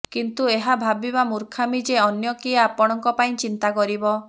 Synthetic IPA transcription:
kint̪ueɦabʱabiβamuɾkʰamid͡ʒeɔnjɔkiaapɔɽ̃ɔŋkɔpaĩt͡ʃint̪akɔɾibɔ

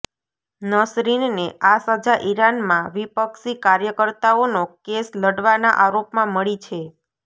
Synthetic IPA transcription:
nəsɾinneʔasəd͡ʒaʔiɾanmãʋipəksikaɾjəkəɾt̪aonokesləɽʋana̰ʔaɾopmãməɭit͡ʃʰe

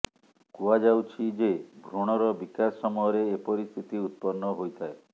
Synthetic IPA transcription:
kuad͡ʒawt͡ʃʰid͡ʒebʱɾoɽ̃ɔɾɔbikasɔmɔɔɾeːpɔɾist̪ʰit̪iut̪̚pɔnːɔɦojt̪ʰae

